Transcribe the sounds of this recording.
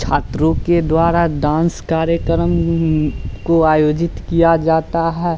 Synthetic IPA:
t͡ʃʰaːt̪ɾõked̪waːɾaɖãːnskaːɾjəkəɾəm | koaːjoːd͡ʒɪt̪kijad͡ʒaːt̪aɦɛː

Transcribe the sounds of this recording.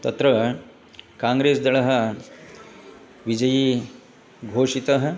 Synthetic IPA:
t̪ɐt̪ɾɐ | kãːŋɡɾeːsd̪ɐɭɐɦɐ̆ | ʋid͡ʒɐji | ɡʱoːʂit̪ɐɦɐ

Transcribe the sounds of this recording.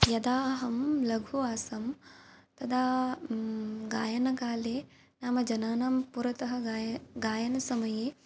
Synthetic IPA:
jɐd̪aːɦɐmlɐɡʱuaːsɐmt̪ɐd̪ʰaː | ɡaːjɐnɐkaːleː | naːmɐd͡ʒɐnaːnaːmpuɾɐt̪ɐɦɐ̆ɡaːjɐnɐsɐmɐjeː

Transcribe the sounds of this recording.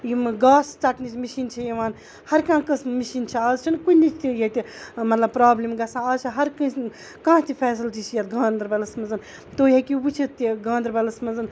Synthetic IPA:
jiɡaːst͡sɐʈnit͡ʃʰmiʃiːnt͡ʃʰɐjɐʋaːn | hɐɾkãːkɐsmiʃiːnt͡ʃʰiaːzt͡ʃʰinkunit͡ʃʰt̪ijɐt̪ʲimɐt̪lɐb̚pɾaːblʲimɡɐsãːaːzt͡ʃʰiɦɐɾkɐ̃ | kãːt̪ʰifʰɛːs̬ɐlt͡ʃit͡ʃjɐt̪ɡãːnd̪ɾbɐlɐsmɐnzɐn | t̪oːjekibut͡ʃʰiiɡãːnd̪ɾbɐlɐsmɐnzɐn

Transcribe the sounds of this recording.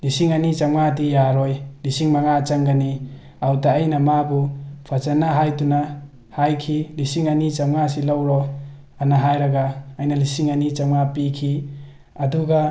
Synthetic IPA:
lisiŋanit͡ʃamŋadijaɾɔjlisiŋmaŋat͡ʃɐŋɡani | awtaːjnɐmabupʰat͡ʃɐnaɦajtuna | hajkʰilisiŋanit͡ʃɐmŋas̬ilawɾɔ | anaɦajɾɐɡaːjnɐlisiŋanit͡ʃamŋapikʰi | ɐduɡa

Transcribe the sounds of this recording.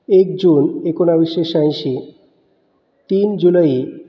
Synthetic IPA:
ekd͡ʑunekonabiʃeʃajʃi | t̪ind͡ʑulai

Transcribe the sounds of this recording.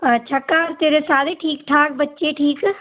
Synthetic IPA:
t͡ʃʰəkːaːɾt̪eːɾesaːd̪eʈʰiːkʈʰaːk̚bətːʃeːʈʰiːk

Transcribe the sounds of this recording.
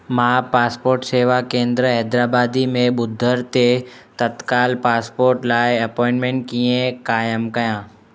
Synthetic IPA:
mãːpaːspoːɾʈseːʋakẽːnd̪ɾəɦɛːd̪ɾaːbaːd̪imẽɓʊd̪ʱːəɾt̪et̪ɐt̪kaːlpaːspoːɾʈlaːɪɐpɔ̃ːɪ̃nʈmẽːɳʈ̚kiːẽkaːjəmkɐjãː

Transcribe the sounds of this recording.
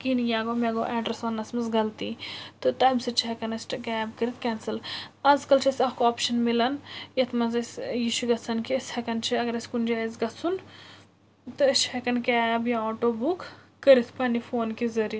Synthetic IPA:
kinjaːɡoːmeɡo̰ːʔɛːɖɾɐsʋɐnːɐsmɐzɡɐlt̪it̪ɨt̪ɐmʲsɐt͡ʃʰiɦɐkɐnɐsʲʈkʲaːbkɐɾit̪̚ʰkʲɛːnsɐlɐzkɐlt͡ʃʰiɐsʲɐhkoaːpʃɐnmilɐnjɐt̪ʰmɐzɐsʲjiʃʰuɡɐt͡sʰɐnkʰiɐsʲhɐkɐnt͡ʃʰiɐɡɐɾɐsʲkund͡ʒaːɐzɡɐt͡sʰun | t̪ɨɐʃʰhɐkɐnkʲaːɐbjãoːʈoːbukː | əɾit̪ʰpɐnifoːnkizɐɾi

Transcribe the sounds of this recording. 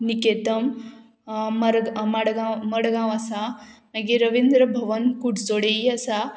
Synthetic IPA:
niket̪ɐmː | ɐɾɡmɐɽɡãmɐɽɡãʋasamɐɡiɾəʋind̪ɾəbʱɐʋənkuɖt͡soɽeiasa

